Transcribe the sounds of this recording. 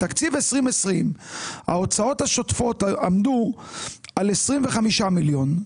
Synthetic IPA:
t̪akt͡sivesʁimesʁimha̰o̞t͡sao̞t̪haʃo̞tfo̞t̪amd̪u | ale̞sʁimveχamiʃamiljo̞n

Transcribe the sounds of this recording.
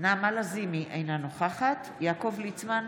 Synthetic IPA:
naːmalazimiʔejnanoχaχat̪ | jaːko̞vlit͡sman

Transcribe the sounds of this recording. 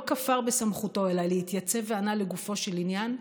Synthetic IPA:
kafaʁbesamχuto̞elaleitjat͡se̞veanaleɡufo̞ʃe̞linjan

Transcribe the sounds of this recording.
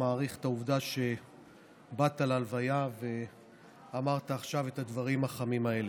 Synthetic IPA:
aːʁiχt̪auvd̪aʃe̞ | bat̪alalvajave̞ | amaʁt̪aːχʃave̞t̪ad̪vaʁimaχamimae̞le

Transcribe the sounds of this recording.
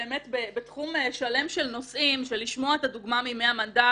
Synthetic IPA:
eːme̞t̪bebet̪χumeʃale̞mʃelno̞sʔimʃeliʃmo̞aet̪aduɡmamimeamanda

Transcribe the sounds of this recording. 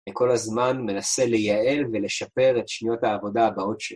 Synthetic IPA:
eko̞lazmanme̞nase̞le̞jae̞lve̞le̞ʃape̞ʁetʃnijo̞thaːvo̞daːbao̞tʃe

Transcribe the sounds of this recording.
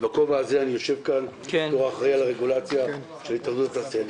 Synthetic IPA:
bako̞vaːzeanijo̞ʃe̞vkan | eoʁaχʁealaʁeɡulat͡sja | ʃelhit̪aχdut̪etased

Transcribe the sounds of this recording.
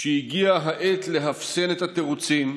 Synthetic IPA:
ʃejiɡiaɦaʔet̪le̞ɦafsenet̪hat̪eʁut͡sim

